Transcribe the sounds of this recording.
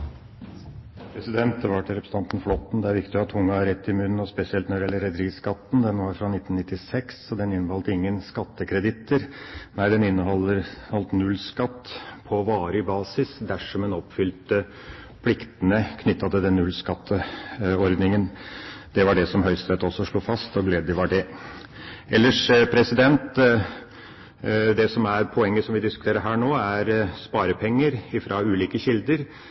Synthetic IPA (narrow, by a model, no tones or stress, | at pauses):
pʰɾɛsɪd̪ɛnt̪̚d̪ɛʋɑʈʰɪlɾɛpɾs̩ɑnt̪n̩flɔt̪ːn̩d̪ɛæɾʋɪkt̪ɪɑt̪ʰʊŋːɑɑɾɛt̪ːɪmʉnːn̩ɔspɛsɪɛlt̪nɔɖ̪ɪjɛlːəɾɛd̪ɾiːskɑt̪ːn̩d̪ɛnʋɑɾfɾɑnɪt̪ːnnɪt̪ːɪsɛksɔd̪ɛnɪnːəhɔlt̪əɪŋːənskɑt̪ːəkʰɾɛd̪ɪt̪ːəɾnæɪd̪ɛnɪnːəɦɔlːəɾhɔlt̪nʉlːskɑt̪ːpʰɔʋɑːɾəbɑːsɪsd̪æʂɔmɛnɔpfʏlt̪ə | pʰlɪkt̪ənəkʰnʏt̪ːɑd̪əd̪ɛnːʉlskɑt̪ʰːəɔɾd̪nɪŋənd̪̥ɛʋɑɖɛsɔmɦœʏst̪ɾɛt̪ɔsːɔʂɭuːfɑst̪ɔɡleːd̪jəʋɑɖɛ | ɛlːəʂpʰɾɛsɪd̪ɛnt̪ | d̪ɛsɔmæɾpʰɔɛŋːəsɔmʋɪd̪ɪskʉ̥t̪ʰeːɾəɾɦæːɳoːæɾspɑːɾəpʰɛŋːəɾɪfɾɑʉːliːkəɕɪld̪əɾ